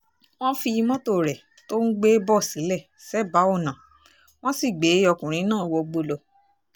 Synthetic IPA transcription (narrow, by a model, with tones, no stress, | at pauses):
w̃ɔ̃˦fi˧i˧mɔ̃˦to˦˨ɾɛ˨ | to˦n̩˦ɡ͡be˦bɔ˦˨si˨˦lɛ˦˨ | sɛ˦ba˨˦o˦˨nã˨ | w̃ɔ̃˦si˦˨ɡ͡be˨˦ɔ˧kũ˨ɾ̃ĩ˨˦nãː˦˨wɔ˧ɡ͡bo˧lɔ˨